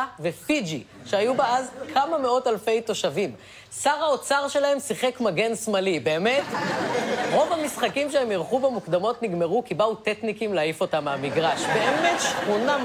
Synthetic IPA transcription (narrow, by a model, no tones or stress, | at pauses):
vefid͡ʒi | ʃeajubaazkʰamame̞o̞talfe̞jto̞ʃavim | saʁaot͡saʁʃe̞lahe̞msiχekmaɡe̞nsmalibe̞ːme̞t | ʁo̞vamisχakimʃeemjiʁχuvemukd̪amo̞tniɡme̞ʁukibauteknikimleaifo̞tamamiɡʁaʃbe̞emetʃχuna